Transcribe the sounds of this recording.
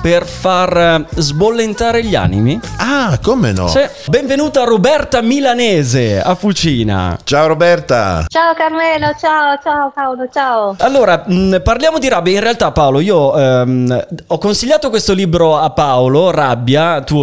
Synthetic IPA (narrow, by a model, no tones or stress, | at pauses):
perfarzbolːent̪aːɾeʎa̰ːnḭmiakomḛnɔ̰sɛ | bɛɱvenuːt̪aarobɛrt̪amilaneːzea̰fːut͡ʃiːna̰t͡ʃaoɾobɛrt̪a̰t͡ʃaokaɾmɛlot͡ʃaot͡ʃaopaolot͡ʃaoalːoːɾaparljaːmod̪iɾabjainrealt̪apːaoloiːomɔkːonsiʎːaːt̪okwest̪oliːbɾoapːaolorabːjat̪uː